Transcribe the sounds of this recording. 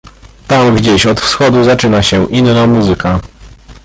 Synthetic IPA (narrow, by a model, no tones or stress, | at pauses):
t̪amɡd͡ʑeɕɔt̪fsxɔd̪uzat͡ʂɘnaɕɛʔinːamuzɘka